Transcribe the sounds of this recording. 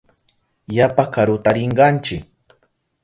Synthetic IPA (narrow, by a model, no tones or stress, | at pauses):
japakaɾʊt̪aɾɪɴɢɑnt͡ʃɪk